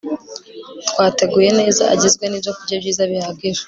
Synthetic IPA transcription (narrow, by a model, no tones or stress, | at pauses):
tkwaːte̞ɡuje̞ne̞ːza̰aɟizɡwe̞nibzokubɟabɟiːzaβihaɡiɾḁ